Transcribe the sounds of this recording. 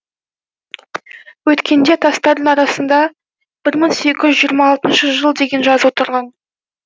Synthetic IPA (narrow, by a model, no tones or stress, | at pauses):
wɵt̪kʲʰe̞nd̪e̞t̪ʰɑst̪ɑɾd̪əɴɑɾɑsənd̪ɑ | b̥ɪɾməɴse̞kʲɪʒʏzʒijəɾmɑːlˠt̪ənʃəʒəlˠd̪e̞ɡʲe̞nʒɑzəwot̪əɾʁɑn